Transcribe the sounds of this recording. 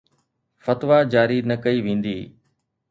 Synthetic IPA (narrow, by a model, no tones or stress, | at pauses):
fɐt̪ʋad͡ʑaːɾinɐkɐiʋẽːn̆d̪iː